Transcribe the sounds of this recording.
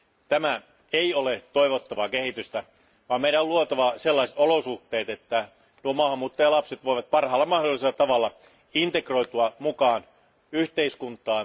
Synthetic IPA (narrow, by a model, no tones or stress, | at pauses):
t̪æmæ | eiolet̪oiʋot̪ːɑʋɑːkehit̪yst̪æ | ʋɑːmeijɾæoluot̪ɑʋɑselːɑiset̪olosuht̪ːˑeːt̪et̪ːæ | nuomɑːhɑmːuːt̪ːɑjɑlɑpset̪ʋoiʋɑt̪̚pɑrhɑːlːɑmɑhdolːˑiselːɑt̪ɑʋɑlːɑ | int̪ekroit̪uɑmukɑːn | yht̪eiskunt̪ˑɑː